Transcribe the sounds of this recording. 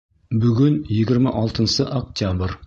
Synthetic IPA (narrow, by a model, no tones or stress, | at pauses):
bʏɡʲɪnjeɡʲɪɾmaʔɑlˠt̪ənsəʔok̚t̪ʲjabɾ